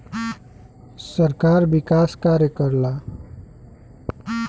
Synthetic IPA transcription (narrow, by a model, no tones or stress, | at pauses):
səɾkaːɾʋɪkaːskaːɾjəkəɾlaː